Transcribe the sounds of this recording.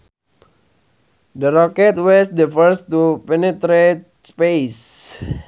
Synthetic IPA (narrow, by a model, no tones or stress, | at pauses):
dəɾɔkɛt̪wɔsdəfəɾst̪upɛnet̪ɾet̪̚ | spes